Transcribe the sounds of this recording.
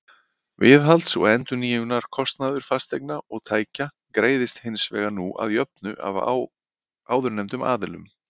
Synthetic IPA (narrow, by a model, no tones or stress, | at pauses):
vɪðɦalt̪sɔ̰ɣɛnt̪ʏniːʏnaɾ̥kʰɔst̪naðʏɾ̥fast̪ejk̚naɔɣt̪ʰaːjca | kɾeːjðɪst̪hɪnsvɛːɣanuʔa̰ðjœp̚nʏʔa̰v | aːwðʏɾnɛjmt̪ʏma̰ːðɪlʏ̰m